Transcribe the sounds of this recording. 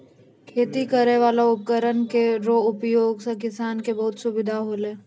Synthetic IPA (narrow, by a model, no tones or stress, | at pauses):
kʰeːt̪ikəɾeʋaːlaʊp̚kəɾənkeɾoʊpjoːɡsẽkɪsaːnkebɐɦʊt̪sʊbɪd̪ʱaɦoleː